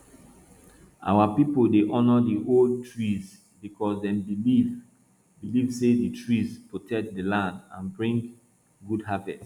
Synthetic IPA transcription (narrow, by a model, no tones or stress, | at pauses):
ʔa̰wapipoldeʔɔnɔdiʔold̚tɹiz | bikʰɔsdɛ̃mbiiv | bilivseditʰɹizpɹotʰɛk̚dəlãndã̰nbɹĩŋɡ | ɡudɦavɛt